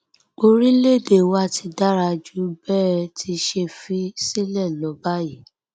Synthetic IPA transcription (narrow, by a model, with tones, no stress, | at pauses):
o˧ɾĩ˦le˦˨de˨wa˦˨ti˧da˦ɾa˧d͡ʒu˦bɛː˦˧tʰi˧ʃe˧fi˦si˦lɛ˦˨lɔ̃˨˦ba˦ji˨˦